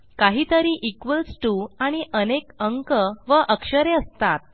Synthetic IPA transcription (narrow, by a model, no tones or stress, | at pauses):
kaɦiːt̪əɾiːʔikʋəlsʈuaɽ̃iʔənekəŋkəʋəʔəkʂəɾeəst̪at̪̚